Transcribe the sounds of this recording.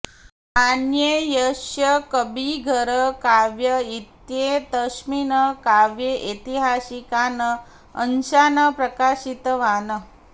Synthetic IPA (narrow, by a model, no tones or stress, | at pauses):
anjejəʃjəkəbiɡʱəɾəkaʋjəit̪jed̪əʃminəkaʋjeʔet̪iɦasikanə | ənɕanəpɾəkaɕit̪ʋanə